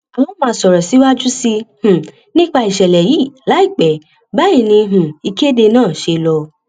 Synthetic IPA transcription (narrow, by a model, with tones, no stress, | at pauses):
a˨wɔ̃˦mã˧˨sɔ˨ɾɔ˨si˨˦wa˦d͡ʒu˦si˧h̩˨ | nĩ˦k͡pa˧i˨ʃɛ˨lɛ˨ji˨˦˨la˨˦i˦˨k͡pɛ˨ | ba˦ĩ˦˧˨nĩ˧ɦũ˨i˧ke˦de˧nãː˦˨ʃe˧lɔ˧